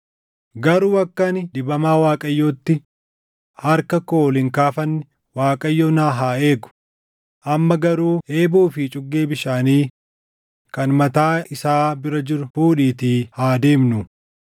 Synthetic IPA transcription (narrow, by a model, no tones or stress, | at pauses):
ɡɐɾuːɐkːɐnɪd̪ɪbɐmaːwaːkʼɐjːoːt̪ːɪ | hɐɾkɐkoːlɪŋkaːfɐnːɪ | waːkʼɐjːoːnaːɦaːe̞ːɡʊ̥ | ʔɐmːɐɡɐɾuːʔeːbuːfɪt͡ʃʼʊɡːe̞ːbɪʃaːniː | kɐnmɐt̪aːɪsaːbɪɾɐd͡ʒɪɾʊfuːᶑiːt̪iːhaːd̪e̞ːmnʊ